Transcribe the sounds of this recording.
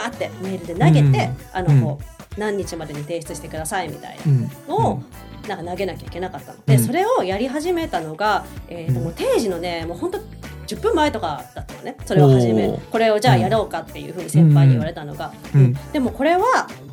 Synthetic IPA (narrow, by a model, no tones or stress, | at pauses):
aːt̪ːe̞me̞ːɾɯ̟d̪e̞naɡe̞t̪e̞ano̞ko̞ːnãɲ̟ːit͡ɕimad̪e̞ɲ̟it̪e̞ːɕi̥t͡sɨɕi̥t̪e̞kɯ̟d̪asaimʲḭt̪a̰ḭnano̞o | nãŋkanaɡe̞nakʲaikʲe̞nakat̪ːano̞d̪e̞so̞ɾe̞o̞jaɾʲiɦaʑime̞t̪ano̞ɡaeːomoːt̪e̞ːʑino̞ne̞mo̞ːhont̪o̞ | d͡ʑɨpːɯ̟̃mːae̞t̪o̞kad̪at̪ːajone̞so̞ɾeβahaʑimeko̞ɾe̞o̞d͡ʑaːjaɾo̞ːkat̪ːe̞jɯ̰ːɸɯ̟ːɲ̟isẽ̞mpaiɲḭβaɾe̞t̪ano̞̰ɡaɯ̟̃d̪̥e̞mo̞ko̞ɾe̞βa